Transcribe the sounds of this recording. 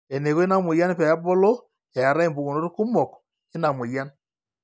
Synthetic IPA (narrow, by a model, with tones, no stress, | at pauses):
e˨ne˨ɣo˦e˦na˨mwe˨ja˦n˦pɛ˨a˦bɔ˦lɔ˦ | ɛ˨a˨ɾa˦e˦˨mbu˨ɣo˨no˦ɾu˦ku˦mɔ˨k | e˦na˨mwe˨ja˦n